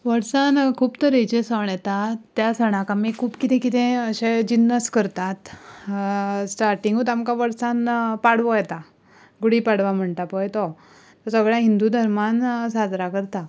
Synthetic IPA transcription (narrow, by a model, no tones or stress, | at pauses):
ʋəɾsankʰuːpt̪əɾet͡ɕesəɳjɛt̪at̪ːjasəɽ̃ãkãmikʰuːpkit̪ɛ̃kit̪ẽəɕed͡ʑinːəskəɾt̪at̪ | sʈaɾʈiŋɡut̪amkaʋəɾsanpaɽʋojɛt̪a | ɡuɽiːpaɽʋam̤əɳʈ̪apəjt̪ɔ | t̪ɔɾsəɡɭjaɦind̪ud̪ʱəɾmansad͡z̪ɾakəɾt̪a